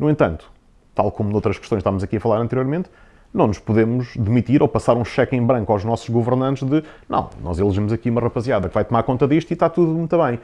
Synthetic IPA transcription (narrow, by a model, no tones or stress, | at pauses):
nuwẽnt̪ɐ̃nt̪u̥ | t̪a̰lˠkomunowt̪ɾɐʃkɨʃt̪õj̃ʃt̪avɐmuzɐkiɐfɐlˠaɾɐ̃nt̪ɾijoɾmẽnt̪ | nɐ̃w̃nuʃpuðemuʃðɨmit̪iɾopɐsaɾũʃɛkẽbɾɐ̃ŋkwawʒnɔsu̥ʒɣuvɨɾnɐ̃nt̪ʒðɨnɐ̰̃w̃nɔ̰zelˠʒimuzɐkiumɐʁɐpɐzjaðɐkvajt̪umaɾkõnt̪ɐðiʃt̪it̪at̪uðumũt̪uβɐ̃j̃